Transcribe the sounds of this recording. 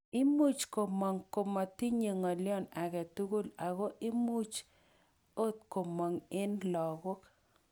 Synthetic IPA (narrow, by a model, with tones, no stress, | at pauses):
ɪ˦mu˦t͡ʃko˨mɔ˨ŋko˨ma˨ti˦ɲe˨ŋɔ˨ljɔ˦˨na˨ɡɛ˨tu˦ɡu˦la˨ɣo˦ʔɪ˦mu˦t͡ʃ | o˦t̪̚ko˨mɔ˨ŋɪ˦nlɔ˨ɡo˦k